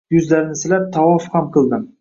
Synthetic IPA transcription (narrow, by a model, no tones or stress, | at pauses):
jʊzlaɾɪnɪsɪlap̚t̪ʰɑwɒfhamqʰɨlˠd̪ɪm